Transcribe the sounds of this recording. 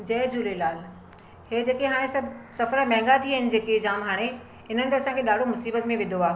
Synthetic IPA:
d͡ʑɛːd͡ʑuːlelaːl | heːd͡ʑeːkeɦaːɽ̃ẽsɐbsɐfəɾəmɛ̃ɦɪ̃ŋɡat̪ʰiəɦɪnɪ̆d͡ʑeːked͡ʑaːmɦaːɽ̃e | ɪn̤ənɪt̪ɐɐsãkʰeɗaːɖʱomʊsiːbət̪mẽʋɪ̃nd̪ʱoaː

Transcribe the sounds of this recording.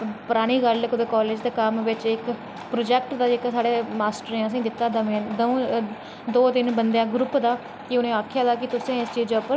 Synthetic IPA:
pʊɾaːɽ̃iːɡəlkʊd̪eːkɔːleːd͡ʒd̪eːkəmʋɪt͡ʃɪk | pɾoːd͡ʒɛːk̚ʈd̪aːd͡ʒekːsaːɽeːmaːsʈəɾẽːəs̬ĩːd̪ɪt̪ːaːd̪əmẽːd̪ũ | d̪oːd̪ɪnbənd̪jãːɡɾʊpd̪aː | kɪʊnẽːaːkʰjaːd̪aːkɪt̪ʊsẽːɪst͡ʃiːd͡ʒoːpəɾ

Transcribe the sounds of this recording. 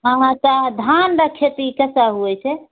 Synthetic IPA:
əɦãt̪ɔd̪ʱanɾəkʰet̪ikəsaɦuɛt͡ʃʰɛ

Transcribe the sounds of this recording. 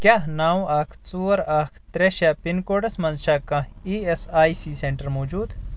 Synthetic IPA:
kʲjaːɦnaːwũaːkʰt͡suːɐɾaːkʰt̪ɾeʃapinkoːɖɐsmɐnzʃaːkɐ̃iːesaːjsiːseɳʈɐɾmoːd͡ʒuːd̪

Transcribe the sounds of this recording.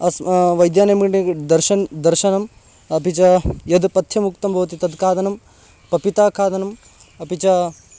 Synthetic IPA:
ɐsʋɐjd̪jaːnɐmɐʈd̪ɐɾʃɐnd̪ɐɾʃɐnɐm | ɐpit͡ʃɐjɐd̪pɐt̪ʰjɐmuk̚t̪ɐmbʱɐʋɐt̪̬it̪ɐd̪kʰaːd̪ɐnɐm | pɐpit̪aːkʰaːd̪ɐnɐm | ɐpit͡ʃɐ

